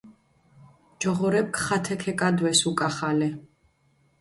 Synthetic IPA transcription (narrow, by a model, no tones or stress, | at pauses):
d͡ʒɔʁɔɾɛp̚kʰʼχat̪ʰɛkʰɛkʼad̪wɛsukʼaχalɛ